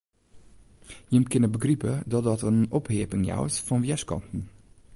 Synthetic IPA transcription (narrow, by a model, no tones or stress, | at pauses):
jɪmkɪnəbəɡripədɔt̚dɔtənɔpheəpɪŋja̰wsfɔnʋjɛskɔ̰ntn̩